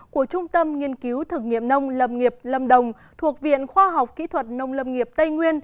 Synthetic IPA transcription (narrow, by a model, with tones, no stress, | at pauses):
ku˧˩ət͡ɕʊ˧ŋ͡mt̪ə˧mŋi˧ənki˨˦wt̪ʰɨ˨˩k̚ŋḭ˧˨ənə˧wŋ͡mlə˨˩mŋi˨˩əp̚lə˨˩mɗə˨˩wŋ͡m | t̪ʰu˨˩ək̚vḭ˧˨ənxwaː˧ɦa˨˩wk͡p̚kḭ˧˥t̪ʰwə˨˩t̚nə˨˧˩wŋ͡mlə˨˩mŋi˨˩əp̚t̪ə˧jŋwi˧ən